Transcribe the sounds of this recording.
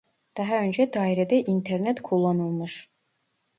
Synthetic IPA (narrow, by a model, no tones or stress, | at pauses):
d̪̥ɑɦaønd͡ʒɛd̪aːiɾɛd̪ɛʔint̪ʰeɾnɛt̪kʰulˠːanɯlˠmɯʃ